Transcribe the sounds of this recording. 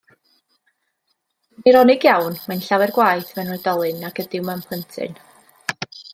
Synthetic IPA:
niɾɔnɪɡjawnmanɬawɛrɡwajθmɛnɛdɔlˠɨnaɡ̥ədɪwmɛmpʰˠəntʰɨ̰n

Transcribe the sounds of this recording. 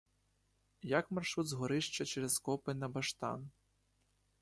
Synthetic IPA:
jakmɐrʂud̪zɣɔɾɪʂt͡ʃɐt͡ʃɛɾɐskɔpɨnɐbaʂt̪a̰n

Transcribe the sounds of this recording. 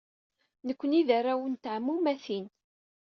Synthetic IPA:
nəkʷːəniðærːawənt̪ʕmːumæθin

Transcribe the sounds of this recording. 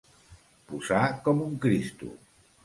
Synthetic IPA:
puzakɔmuŋkɾist̪ṵ

